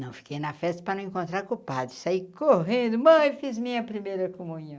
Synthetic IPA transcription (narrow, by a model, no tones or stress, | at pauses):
nɐ̃w̃fi̥kejnɐfɛst̪ɐpɾɐnɐ̃w̃ẽkõnt̪ɾaɾkupad̪ɪsaikoɦẽd̪ʊmɐ̃jfizmĩɲɐpɾimejɾɐkomũɲɐ̃w̃